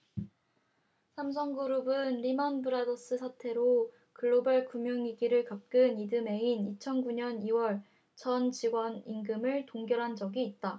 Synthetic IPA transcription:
sʰams̬ʰʌŋɡɯɾubɯnɾimʌnbɯɾadʌs͈ɯsʰatʰe̞ɾo | kɯɭːobaɭkumjoŋiɡiɾɯɭkap̚k͈ɯnidɯme̞init͡ɕʰʌnɡuɲʌniwʌɭ | t͡ɕʌnt͡ɕiɡwʌniŋɡɯmɯɭtoŋɡjʌɾɦand͡ʑʌɡiːt̚t͈a

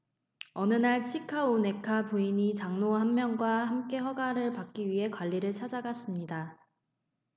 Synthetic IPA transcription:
ʌnɯnaɭt͡ɕʰikʰaone̞kʰapoiɲit͡ɕaŋnoɦamːjʌŋɡwaɦamk͈e̞hʌɡaɾɯɭpak͈̚iɥiɦe̞kwaʎːiɾɯɭt͡ɕʰad͡ʑaɡas͈ɯmɲida

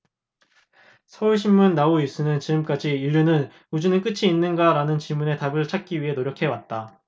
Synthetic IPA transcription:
sʰʌuɭɕ̬ʰimmunːaois͈ʰɯnɯnt͡ɕiɡɯmk͈ad͡ʑiːʎːunɯn | ud͡ʑunɯnk͈ɯt͡ɕʰiːnːɯnɡaɾanɯnt͡ɕiɭmune̞tabɯɭt͡ɕʰak̚k͈iɥiɦe̞noɾjʌkʰe̞wat̚t͈a

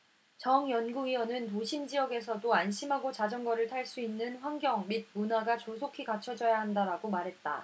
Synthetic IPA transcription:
t͡ɕʌŋjʌnɡuiʌnɯnt̬oɕʰimd͡ʑiʌɡe̞s̬ʰʌdoanɕʰimɦaɡot͡ɕad͡ʑʌŋɡʌɾɯɭtʰaɭs͈uinːɯnɸwaŋɡjʌŋmid̚munaɡat͡ɕosʰokʰikat͡ɕʰʌd͡ʑʌjaɦandaɾaɡomaɾɦe̞t̚t͈a̰

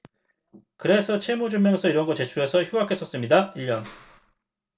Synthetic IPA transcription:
kɯɾe̞sʰʌt͡ɕʰemod͡ʑumjʌnsʰʌiɾʌnɡʌt͡ɕe̞t͡ɕʰuɾe̞sʰʌçjuɦakʰe̞s͈ʌs͈ɯmɲidaiʎːʌn

